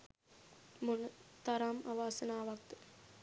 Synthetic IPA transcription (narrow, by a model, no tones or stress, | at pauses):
mʊnt̪ɐɾaːmɐʋaːsɐnaːʋɐk̚t̪